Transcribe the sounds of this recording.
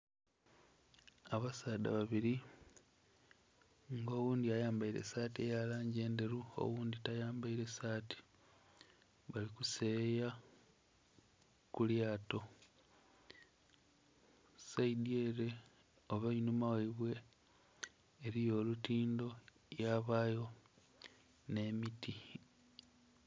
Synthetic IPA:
aβasaːd̪a̰βaβiɾi | ŋɡo̞ːwuːndiajaːmbaiɾe̞̰saːtie̞jalaːɲɟe̞ːnde̞ɾuo̞̰wuːnditajaːmbaiɾe̞saːti̥ | βalikuse̞ja | kuljaːto̞ | saidieɾe̞ | oβainumaweβwe̞ | ɾijo̞ːlutiːndo̞ | jaβaːjo̞ | ne̞miti

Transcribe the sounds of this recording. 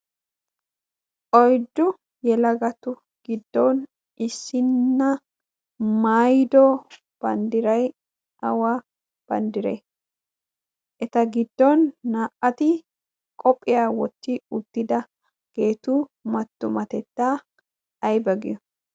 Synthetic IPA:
ʔɔjd̪ʊ | jɛlɐɡɐt̪ʊ | ɡ̥ɪd̪ːo̞ːn | ɪsɪnːɐ | maːjd̪oː | b̥ɐnd̪ɪɾɐj | ʔɐwa | b̥ɐ̰nd̪ɪɾḛ | ʔɛt̪ɐɡɪd̪ːo̞ːnːaːʔɐt̪i | kʼɔpʼːɪjaːwɔt̪ːiːʊt̪ːɪd̪ɐ | ɡ̥e̞ːt̪uːmɐt̪ːʊmɐt̪ɛt̪ːaː | ʔɐjbɐɡɪ̰ʊ

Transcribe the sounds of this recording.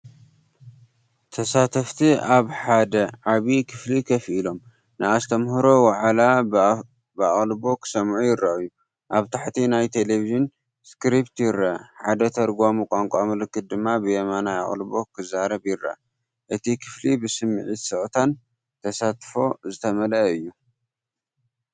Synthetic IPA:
t̪ʰɐsat̪ʰɐft̪ʰiaβħad̪ɐʕaβikʰɨflikʰɐfilo̞m | nɨast̪ʰɐmhɾo̞waʕala | bɨa̰χʼlbo̞kʰɨ̥sɐmʕujɪɾaɨju | ʔaβt̪ʰaħt̪ʰinajt̪ʰe̞leviʒɨn | skɾipt̪jɪɾɐħad̪ɐt̪ʰɐɾɡʷamukʷʼaŋkʷʼamɨlɨkːɨt̪̚d̪ɨmːabɨjɛmanaja̰χʼlbo̞kʰɨzaɾɐβjɪɾːɐ̰ | ʔɨt̪ʰikʰɨflibɨsɨmːɨʕit̪sɨʔt̪ʰan | t̪ʰɐsat̪fo̞zɨt̪ʰɐmɐlɐɨjːu

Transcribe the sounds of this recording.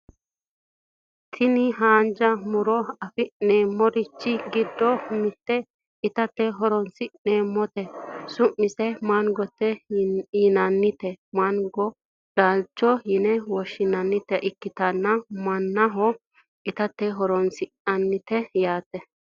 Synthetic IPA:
t̪ʰɪnɪɦaːnd͡ʒɐmʊɾɔɐfɪneːmːɔɾɪt͡ʃːɪɡɪd̪ːɔmɪt̪ːɛ | ɪt̪ɐt̪ːɛɦɔɾɔnsɪne̞ːmːɔt̪ɛsʊʔːɪsɛmɐnɡɔt̪ːɛjɪnɐnːɪt̪ɛmɐnɡɔ | d̥alt͡ʃːɔjɪnɛwɔʃːɪnɐnːɪt̪ːɛʔɪkːɪt̪ɐnːɐmɐnːɐɦɔ | ɪt̪ɐt̪ːɛɦɔɾɔnsɪnɐnːɪt̪ɛjaːt̪ːɛ

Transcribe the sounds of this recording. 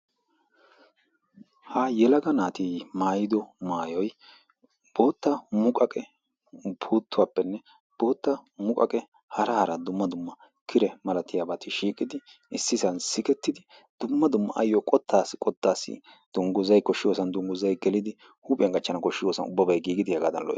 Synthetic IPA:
haːjɛlɐɡɐnaːt̪iːmaːjɪd̪ɔmaːjɔj | b̥oːt̪ːɐmʊkʼɐkʼɛ | pʰuːt̪ːʊwaːpːɛnːɛ | b̥o̞ːt̪ːɐmʊkʼɐ̰kʼɛ | hɐɾɐhɐɾɐd̪ʊmːɐd̪ʊmːɐ | kʰɪɾɛmɐlɐt̪ːɪjabɐt̪ɪʃiːkʼɪd̪ɪʔɪsːɪsɐnsɪkɛt̪ːɪd̪ɪ | d̪̥ʊmːɐd̪ʊmːɐ̰ʔɐ̰jːɔkʼɔt̪ʰːaːsːɪ̥kʼɔt̪ːaːsɪ̰ | d̪̥ʊŋɡʊzɐjkɔʃːɪjoːsɐnd̪ʊŋɡʊzɐjɡɛlɪd̪ɪ | huːpʼɛŋɡʼɐt͡ʃːɐnɐkɔʃːɪjoːsɐ̰nʊ̰bːɐbɐjɡiːɡɪd̪ɪhɛɡaːd̪ɐnlɔ̰ʔḛ

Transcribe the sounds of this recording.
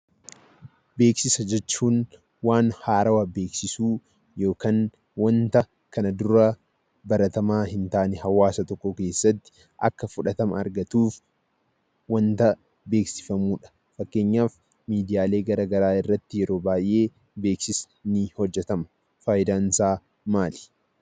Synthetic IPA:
be̞ːksɪsɐd͡ʒɛt͡ʃːuːn | waːnhaːɾɐwɐbe̞ːksɪsuː | jo̞ːkaːn | wɐnt̪ɐ | kɐnɐd̪ʊɾɐ | bɐɾɐt̪ɐmaːhɪnt̪aːʔnɛɦɐwaːsɐt̪ɔkːɔke̞ːsːɐt̪ːɪ̥ | ʔɐ̰kːɐfʊᶑɐt̪ɐmɐ̰ɐ̰ɾɡɐt̪uːf | wɐnt̪ɐ | be̞ːksɪ̥fɐmuːᶑɐ̥ | fɐkːeːɲːaːf | miːd̪ɪjaːle̞ːɡɐɾaːɡɐɾaːɪrːɐt̪ːɪjɛɾo̞ːbaːjʔe̞ː | beːksɪs | nɪhɔd͡ʒːɛt̪ɐmɐ̥ | faːjɪd̪aːnsaː | maːlɪ̥

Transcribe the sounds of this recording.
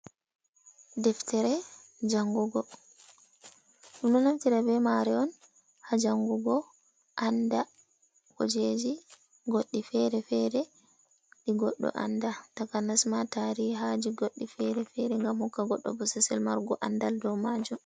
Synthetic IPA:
dɛftɛɾɛ | d͡ʒaŋɡuɡɔ | ɗumɗɔnamtiɾabɛmaɾɛɔn | had͡ʒaŋɡuɡɔ | ʔanda | kɔ̰d͡ʒed͡ʒi | ɡoɗːifɛɾɛfɛɾɛ | ɗiɡɔ̰ɗːɔ̰ʔa̰ndatakanasmataɾiɦad͡ʒiɡoɗːifɛɾɛfɛɾɛŋɡamhukːaɡɔɗːɔ̰bɔsɛsɛlmaɾɡɔʔandaldɔwmad͡ʒum

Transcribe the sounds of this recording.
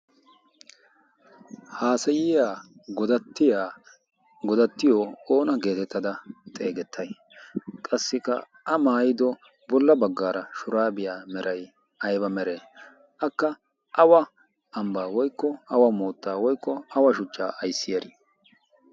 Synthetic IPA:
haːsɐjɪjaːɡɔɐt̪ːɪa | ɡɔd̪ɐt̪ːɪjɔo̞ːnɐɡe̞ːt̪ɛt̪ːɐd̪ɐt̪ʼe̞ːɡɛt̪ʰːɐj | kʼɐsːɪkːɐ̰ | ɐmaːjɪd̪ɔ | bɔlːɐbɐɡːaːɾɐʃʊɾaːbɪjaːmɛɾʔɐj | ɐjbɐmɛɾe | ʔɐkːɐ | ʔɐwɐ | ɐmbaːwɔjkːɔɐwɐmoːt̪ːaːwɔjkːɔɐwɐʃʊt͡ʃːaːʔɐjsːɪjɐɾɪ

